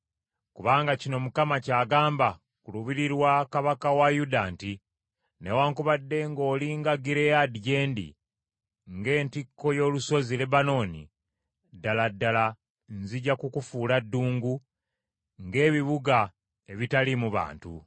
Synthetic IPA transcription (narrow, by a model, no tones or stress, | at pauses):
kuβaːŋɡacino̞mukamacaːɡaːmba | kuluβiɾiɾwakaβakawajudaːnti | newaːŋkuβadːe̞ŋɡoːliŋɡaɡiɾejadiɟe̞ːndḭ | ŋɡe̞ːntikʰːo̞jo̞ːluso̞zile̞bano̞ːnḭ | dːaladːala | nziɟakukufuːladːuːŋɡu | ŋɡe̞ːβiβuɡa | e̞βitalimuβa̰ːntṵ